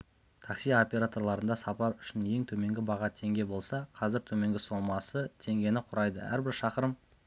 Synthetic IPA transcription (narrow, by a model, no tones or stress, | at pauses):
t̪ʰɑqsijao̞pʲe̞ɾat̪o̞ɾlˠɑɾənd̪ɑsɑpɑɾʏʃɪnje̞ŋt̪ʰɵme̞ŋɡʲɪbɑʁɑt̪ʰe̞ŋɡʲe̞bo̞lˠsɑqʰɑzɪɾt̪ʰɵme̞ŋɡʲɪso̞mɑsət̪ʰe̞ŋɡʲe̞nɪqʰʊɾɑjd̪ə̰æ̰ɾbɪɾʃɑqəɾəm